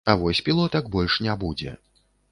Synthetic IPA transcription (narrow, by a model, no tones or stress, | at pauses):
ɐvɔsʲpʲilˠɔt̪ɐkbɔlʲʂnʲabud͡zʲɛ̰